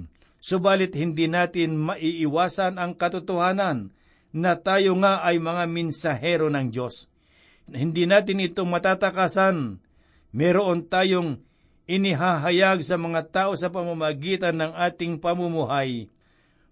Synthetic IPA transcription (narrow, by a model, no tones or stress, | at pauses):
sʊbaːlɪt̪̚hɪnd̪inaːt̪ɪnmɐʔiʔɪwaːsɐnɐŋkɐt̪ʊt̪ohaːnɐnː | ɐt̪aːjoŋaʔɐjmɐŋamɛnsɐɦɛɾonɐŋd͡ʒo̞s | hɪnd̪inaːt̪ɪnɪt̪oŋmɐt̪aːt̪akasan | mɛɾoʔont̪aːjoŋ | ɪnɪɦaɦɐjaɡsɐmɐŋat̪aːʔo̞sɐp̬ɐmamɐɡiːt̪anːɐŋʔaːt̪ɪŋpɐmʊmʊɦaj